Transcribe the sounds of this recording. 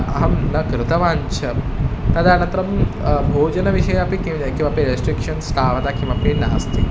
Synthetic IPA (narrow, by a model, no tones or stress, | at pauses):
ɐɦɐmnɐkɾɨt̪ɐʋaːnt͡ɕʰɐm | t̪ɐd̪añɐnt̪ɾɐmbʱoːd͡ʒɐnɐʋiɕɐjapẽkĩkĩw̃ʋapeɾesʈɾikʂɐnst̪ʰaːʋɐt̪akĩw̃ʋapenaːst̪i